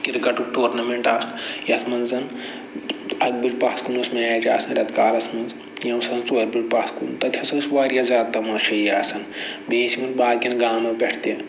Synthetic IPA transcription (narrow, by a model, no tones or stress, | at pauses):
kiɾkɐʈuʈoːɾnɐmeɳʈajɐt̪ʰmɐnzzɐn | ɐk̚bid͡ʒpaːskunusmet͡ʃʲa̰ːsɐnɾʲɐt̪kaːlɐsmɐnz | jɐwsɐnt͡soːɾbit͡ʃpaːskunt̪ɐt̪ʰɐsɐnsʋaːɾjazaːt̪ːɐmɐʃʰɐjaːsɐnbeːsimɐnbaːd̪kʲɐnɡaːmɐpʲeʈʰt̪e